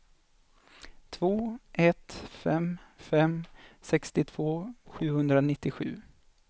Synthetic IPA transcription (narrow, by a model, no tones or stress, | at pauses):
t̪ʰv̥oːʔɛt̪fɛmfɛmsɛkst̪ɪt̪ʰv̥oːɧʉ̟ːhɵnd̪ɾanɪt̪ːɪɧʉ̟ː